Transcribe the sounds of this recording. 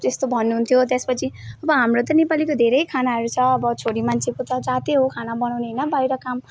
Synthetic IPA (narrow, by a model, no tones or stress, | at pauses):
t̪est̪obʱʌnːuɦunt̪ʰjot̪espʌt͡sʰiʌbʌɦamrot̪ʌnepalikod̪ʱeɾʌjkʰanaɦʌɾut͡sʰʌːbʌt͡sʰoɽimant͡sʰekot̪ʌd͡zat̪eɦokʰanabʌnawneɦnʌbajɾʌkam